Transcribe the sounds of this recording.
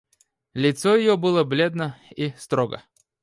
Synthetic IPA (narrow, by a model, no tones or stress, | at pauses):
lʲɪt̪sojɪjobɨlˠəblʲed̪nəist̪ɾoɡə̰